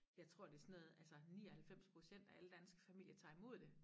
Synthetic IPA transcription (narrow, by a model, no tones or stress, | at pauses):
jɑ̈ɪt͡sʰʁo̝ɐ̰d̥e̝sɔnɔːð̩ˠælsɐniːɒhælfem̰spʰʁo̝ɕen̰d̥æʔæləd̥ænsɡ̥ə̥fæmil̰jɐt͡sʰɑ̈ːimo̝ð̞̰ˠd̥e̝